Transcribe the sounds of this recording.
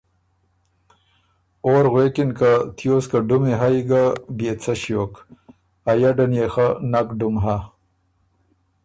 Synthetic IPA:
oɾɣwekinkat̪ʰijoːskaɖumeɦajɡabeːt͡sʰaɕijok | ajaɖɐnjexanakɖumɦa

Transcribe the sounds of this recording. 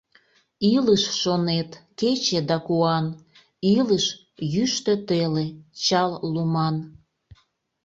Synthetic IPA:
iləʃʃonet̪ket͡ɕed̪ɑkuɑn | iləʃ | jyʃt̪øt̪elet͡ɕɑlːumɑn

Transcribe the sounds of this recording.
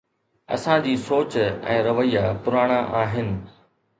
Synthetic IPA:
ɐ̰sãd͡ʑiːsoːt͡ɕɛ̰̃ːɾɐʋəjapʊɾaːɽ̃aʔaːɦɪnɪ̆

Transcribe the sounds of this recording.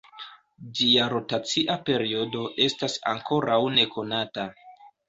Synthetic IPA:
d͡ʒiaɾo̞tat͡siʔape̞ɾio̞do̞ʔe̞stasa̰ŋko̞ɾʔawne̞ko̞nata

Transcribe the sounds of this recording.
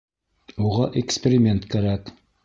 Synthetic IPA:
uʁɑʔekspʲɪɾʲɪmʲe̞nt̪kæɾæk

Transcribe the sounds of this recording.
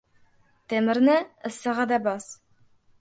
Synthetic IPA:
t̪æmɘ̆ɾnɘɤ̆sɤ̆ʁɑd̪ɒbɒs

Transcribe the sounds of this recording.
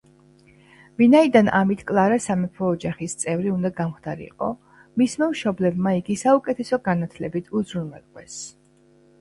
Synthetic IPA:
vinaid̪ana̰mit̪ʰkʼlˠaɾasamɛpʰɾɔːd͡ʒaχist̪sʼɛvɾiund̪aɡamχd̪aɾḭqʼɔ̰ | mismɛmʃɔblɛbmaiɡisaukʼɛt̪ʰɛsɔɡanat̪ʰlɛbit̪ʰuzɾunvɛlˠqʼwɛs

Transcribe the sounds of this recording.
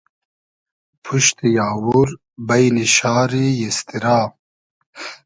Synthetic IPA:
pʰuʃt̪ijaːwuɾ | bɐjniɕaːɾijist̪iɾaː

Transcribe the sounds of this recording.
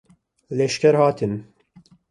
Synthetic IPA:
lɛʃkʲɛɾhɑːt̪ʰɨn

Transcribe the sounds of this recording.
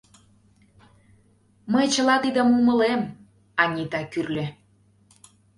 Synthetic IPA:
məjt͡ɕə̆lɑt̪id̪ə̆muməlem | ɑnʲit̪ɑkyrlĕ

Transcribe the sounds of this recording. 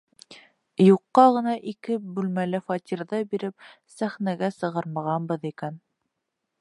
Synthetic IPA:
juqːɑʁɤ̆nɑʔikɘbʉlmælɘfɑt̪ʲiɾðɤbiɾɘp̚sæχnæɡæsɤ̆ʁɤɾmɑʁɑnbɤðikæn

